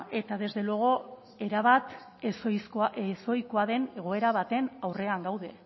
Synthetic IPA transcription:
e̞t̪aðe̞zðe̞loɣo̞ | eɾaβat̪ | sjsoeso̞jko̞aðe̞ne̞ɣ̞o̞e̞ɾaβat̪e̞nawre̞aŋɡawðe̞

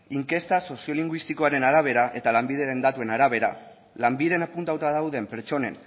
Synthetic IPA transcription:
iŋke̞st̪aso̞sio̞liŋɡwist̪iko̞aɾe̞naɾaβ̞e̞ɾaʔe̞t̪alambið̞e̞ɾe̞nd̪at̪ue̞naɾaβ̞e̞ɾa̰ | lambiðenapunt̪awt̪aðawðe̞mpe̞ɾt͡ʃo̞ne̞̰n

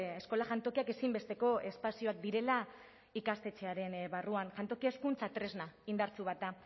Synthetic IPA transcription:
esko̞laʝant̪o̞kiake̞simbe̞st̪e̞ko̞e̞spasio̞ak̚d̪iɾe̞la | ikast̪e̞t͡ʃe̞aɾe̞nβaruanʝant̪o̞kie̞skunt͡sat̪ɾe̞znaind̪aɾt͡suβat̪a

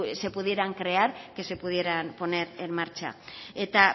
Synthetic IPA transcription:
se̞puð̞je̞ɾaŋkɾe̞aɾkese̞puð̞je̞ɾanpo̞ne̞ɾe̞nmaɾt͡ʃa̰et̪a

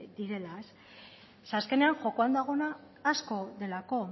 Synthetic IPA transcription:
d̪iɾe̞laes | saske̞ne̞aŋʝo̞koand̪aɣ̞o̞naː | sko̞ðe̞lako̞

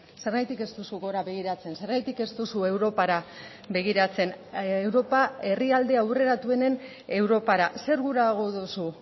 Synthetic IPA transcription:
se̞ɾɣajt̪ike̞st̪usuɣo̞ɾaβe̞ɣ̞iɾat͡se̞nse̞ɾɣajt̪ike̞st̪usue̞wɾo̞paɾa | be̞ɣ̞iɾat͡se̞newɾo̞pae̞riald̪e̞awre̞ɾat̪ue̞ne̞n | e̞wɾo̞paɾase̞ɾɣuɾaːɣ̞o̞ðusu

